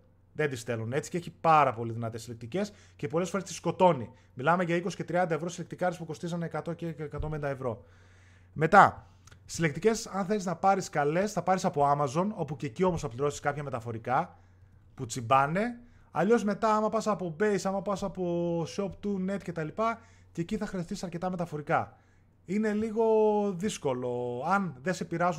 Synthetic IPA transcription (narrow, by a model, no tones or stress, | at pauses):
ðe̞nd̪ist̪e̞lune̞t͡si̥ceeçipɐɾɐpo̞liðinɐt̪e̞sːile̞k̚t̪ice̞s | ce̞po̞lefo̞ɾe̞st̪i̥sko̞t̪o̞ni | milɐme̞ʝɐiko̞si̥ce̞t̪ɾiɐnd̪ɐevɾosile̞k̚t̪ikɐɾspuko̞st̪is̬ɐneːkɐt̪o̞cekɐt̪o̞mbenid̪ɐevɾo̞ | me̞t̪ɐ | sile̞k̚t̪ice̞sɐnθeliznɐpɐɾiskɐle̞sθɐpɐɾisɐpo̞ɐmɐzo̞no̞puce̞ːcio̞mosθɐpliɾo̞siskɐpçɐme̞t̪ɐfo̞ɾikɐ | put͡simbɐne̞ | ɐ̰ʎo̞zme̞t̪ɐɐmɐpɐsɐpo̞be̞jsɐmɐpɐsɐpo̞so̞pt̪une̞t̪ce̞t̪ɐlipɐ | ce̞ːciθɐxɾeθisɐɾce̞t̪ɐme̞t̪ɐfo̞ɾikɐ | ine̞liɣo̞ðisko̞lo̞ɐnðe̞se̞piɾɐzu